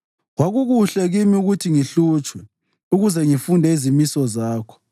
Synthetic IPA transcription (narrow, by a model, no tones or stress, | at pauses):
ɣwaɣuɣuɬɛɣimiuɣutʰiŋiɬuːt͡ʃʰʼwɛ | uɣuzɛŋifundʱɛizimisɔzaːkʰɔ̥